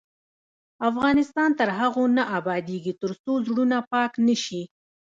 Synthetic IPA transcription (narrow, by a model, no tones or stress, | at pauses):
afɣɑnɪst̪ɑnt̪əɾɦaɣonaʔabɑd̪eɡit̪əɾst̪ozɽunapɑknəʃi